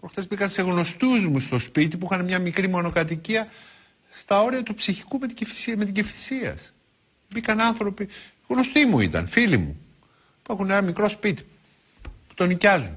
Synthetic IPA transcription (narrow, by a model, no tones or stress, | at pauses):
pɾoxt̪ezbikɐnse̞ɣno̞st̪uzmust̪o̞spit̪ipuixɐnemɲɐmikɾimo̞no̞kɐt̪̬iciɐ | st̪ɐo̞ɾiɐt̪upsiçi̥kumet̪ifi̥simet̪iɲɟifi̥siɐ̰s | bikɐnɐnθɾo̞pi | ɣno̞st̪imuḭt̪ɐ̰nfilimṵ | puexunenɐmikɾo̞spit̪i̥ | pu̥t̪o̞nicɐzun